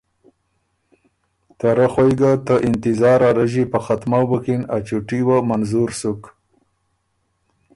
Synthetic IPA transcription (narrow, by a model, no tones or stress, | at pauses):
t̪aɾaxojɡat̪əʔɪnt̪ɪzɑːɾaɾaʒipəxat̪mabəkina̰t͡ʃuʈiwamanzuɾsuk